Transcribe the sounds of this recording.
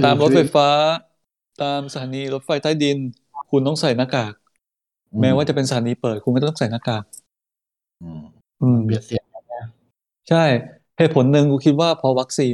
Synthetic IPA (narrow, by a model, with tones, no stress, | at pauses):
t̪aː˧mɾo˦˥fa˧˥jfaː˦˥ | t̪aː˧msa˧t̪ʰaː˩˦niː˧ɾo˦˥t̪̚fa˧jt̪aː˥˩jdi˧n | kʰu˧nt̪ɔː˥˩ŋsa˨˩jnaː˧˥˩kaː˨˩k̚ | mɛː˦˥wa˥˩t͡ɕa˨˩pe˧nsa˧tʰaː˩˦niː˧pɤː˨˩t̪̚kʰu˧nkɛː˥˩˥t̪sa˨˩jnaː˧˥˩kaː˨˩k̚ | ʔɯː˧˩˧i˨˩a˧a˧˥˩ | t͡ɕʰa˥˩j | heː˨˩t̪̚pʰo˩˦nːɯ˧ŋkʰuː˧kʰi˦˥t̪̚waː˥˩pʰɾɔ˦˥wa˦˥k̚siː˧n